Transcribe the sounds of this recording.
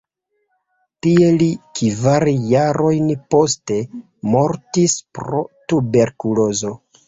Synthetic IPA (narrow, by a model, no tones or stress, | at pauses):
tielikivaɾjaɾo̞jnpo̞ste̞ | mo̞ɾtispɾo̞tube̞ɾkulo̞zo̞